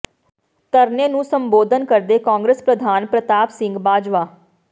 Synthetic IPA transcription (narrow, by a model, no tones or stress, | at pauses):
t̪əɾneːnũːsəmboːd̪ʱənkəɾd̪eːkãːŋɡɾespɾəd̪ʱaːnpɾət̪aːpsɪ̃ŋɡbaːd͡ʒʋaː